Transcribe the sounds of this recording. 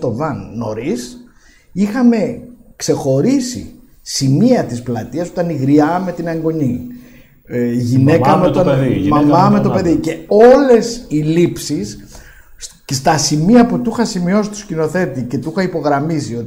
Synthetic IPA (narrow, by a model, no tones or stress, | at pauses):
t̪o̞vɐnːo̞ɾis | ixɐme̞kse̞xo̞ɾisḭ | simiɐt̪isplɐt̪iɐso̞t̪ɐniɣɾiɐme̞t̪inɐŋɡo̞ɲi | ʝine̞kɐmeot̪ɐnmɐmɐmet̪ope̞ðice̞o̞le̞silipsis | st̪ɐsimiɐput̪uxɐsimio̞si̥t̪uscino̞θe̞t̪ice̞t̪uxɐipo̞ɣɾɐmisio̞t̪